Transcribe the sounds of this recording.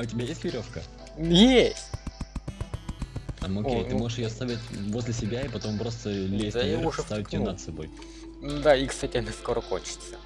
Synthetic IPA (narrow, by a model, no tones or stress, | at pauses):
ɐʊtʲɪbʲajesʲt̪ʲvʲɪɾʲo̞fkə | je | amokejt̪ɨmoɨʂjɪjost̪avʲɪtʲvo̞zʲlʲɪsʲɪbʲaipɐt̪o̞mpɾo̞st̪əlʲesʲjst̪avʲɪtʲːɪjonət̪sɐbo̞̰j̪ | d̪aikst̪atʲɪɐnʲɐskoɾəko̰nʲt͡ɕɪ̥t̪sə